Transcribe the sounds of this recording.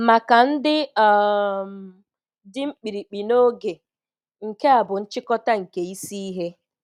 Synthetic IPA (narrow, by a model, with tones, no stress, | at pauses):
ma˨ka˨n̩˦dɪ˦˨ | m˨ | dɪ˦ŋ͡m̩˦k͡pi˨ɾi˨k͡pi˨no˦ɡe˨ | ŋ̩˨ke˦a˨bʊ˨n̩˦t͡ʃɪ˦kɔ˦ta˦ŋ̩˨ke˨i˦si˦i˦ɦe˦